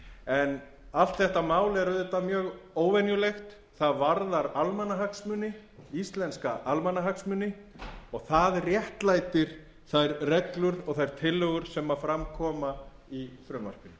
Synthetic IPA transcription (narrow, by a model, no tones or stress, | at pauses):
ɛn | aft̪θɛht̪amaːwlɛɾʏðɛt̪ːamjœːɣoːwvɛnjʏlejxt̪ | θaðvaɾðaɾalmanːaɦaksmʏnːɪist̪lɛnskaʔalmanːaɦaksmʏnɪɔɣθaðrːjɛht̪lajt̪ɪɾ̥ | θajɾrɛk̪lʏɾɔɣθajɾ̥t̪ʰɪlːœɣʏɾ̥sɛmafɾamkʰɔːma | iθɾœːma̰r̥pɪn